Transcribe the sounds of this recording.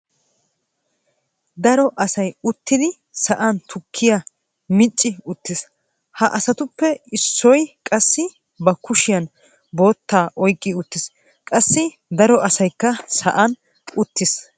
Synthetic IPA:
d̪ɐɾɔʔɐsɐjʊt̪ːɪd̪ɪ | sɐʔɐnt̪ʰʊkʰːɪjɐ | mɪt͡ʃʼːɪʊt̪ːɪs | hɐʔɐsɐt̪ʊpːɛɪsːɔjkʼɐsːɪ | bɐkʊʃɪjɐn | bo̞ːt̪ːaːʔɔjkʼːɪʊt̪ːɪs | kʼɐsːɪ | d̪ɐɾɔʔɐsɐjkːɐsɐʔɐn | ʊt̪ːɪs

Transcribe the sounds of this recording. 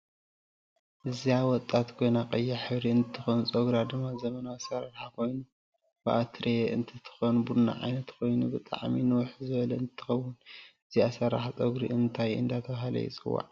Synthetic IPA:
ʔɨziawɔt̪ʼːat̪kʰo̞jnaqʼɐjːaħɨβɾiɨnt̪ʰːɨxonusʼoɡɾad̪ɨmːazɐmɐnaːsɐɾaɾħakʰo̞jnu | b̥ɨʔat̪ʰɾeʔɨnt̪ʰɐt̪ʰɨ̥xonbuna̰ʕa̰jnɐt̪kʰo̞jnubɨt̪ʼa̰ʕminɨwʊħzɨβɐlɐɨnt̪t̪ʰːɨ̥xɐwːʊnɨziasɐɾaħat͡sʼoɡɾḭʔɨnt̪ʰajɨ̰nd̪at̪ʰɐβaɦalɐ̰jɪ̰t͡sʼɨ̰wa̰ʕ

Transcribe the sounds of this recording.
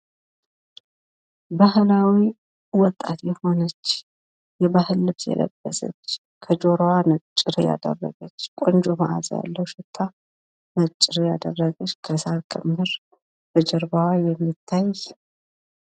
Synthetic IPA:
baɦɨlawi | wɔt̪ʼːat̪jɛho̞nət͡ʃː | jɛbahɨlːɨβsjɛ̰lə̰b̥ːəsə̰t͡ʃː | kʰəd͡ʒo̞ɾwanət͡ʃʼːɪɾja̰d̪ə̰rːə̰ɡət͡ʃːkʼond͡ʒomaʔa̰zja̰lːəwʃɪt̪ʰːa | nət͡ʃʼːɪɾjad̪ərːəɡət͡ʃːkʰəsalkʼɨmːɨɾ | b̥əd͡ʒɛɾbawajɛmːit̪ʰːaj

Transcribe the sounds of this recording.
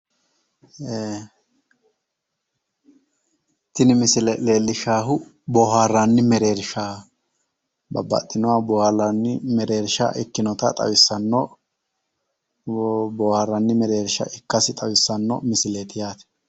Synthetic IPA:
e | t̪ːɪnɪmɪsɪlɛleːlːɪʃaːɦʊ | bɔːhaːrːɐnːɪmɛɾe̞ːɾʃaː | bɐ̰bːɐ̰t̪ʼːɪnʊwaːbɔharɐnːɪmɛɾe̞ːɾʃa̰ʔɪkːɪnɔt̪ɐ̰t̪ʼɐ̰wɪsːɐnːɔ | boːhaːrːɐnːɪmɛɾe̞ːɾʃɐ̰ʔɪkːɐsɪt̪ʼɐwɪsːɐnːɔ̰mɪsɪleːt̪ɪjaːt̪ɛ̥

